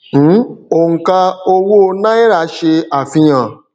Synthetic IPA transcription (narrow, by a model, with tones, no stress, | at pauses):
o˦˨ŋ̩˧ka˧o˧wo˦˧nã˦i˦ɾa˦˧˦ʃe˧a˨fĩ˧j̃ã˨